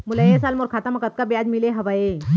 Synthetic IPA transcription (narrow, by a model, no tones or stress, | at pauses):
mulajesaːlmoːɾkʰaːt̪əmɐkət̪̚kabjad͡ʒmileɦɐʋae